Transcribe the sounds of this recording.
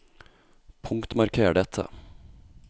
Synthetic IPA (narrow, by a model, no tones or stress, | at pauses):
pʰʊŋkt̪mɑɾkʰeːɖɛt̪ʰə̰